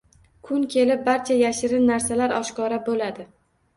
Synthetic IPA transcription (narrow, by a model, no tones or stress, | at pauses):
kʰʊŋkʲʰe̞lɪp̚baɾt͡ʃʰajaʃɪɾɪnːaɾsalaɾɒʃkɒɾabolad̪ɪ